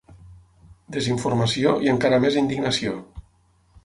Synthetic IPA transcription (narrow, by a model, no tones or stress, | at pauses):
d̪eziɱfuɾməsioiəŋkaɾəmezind̪iɡnəsio